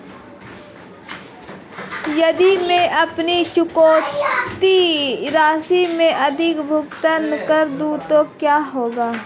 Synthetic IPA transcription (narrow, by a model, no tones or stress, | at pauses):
jɐd̪imẽʔɐpniʃʊkoːt̪iɾaːsimẽʔɐd̪ʱɪkbʱʊkt̪ənkəɾd̪uːt̪okjaːɦoːɡaː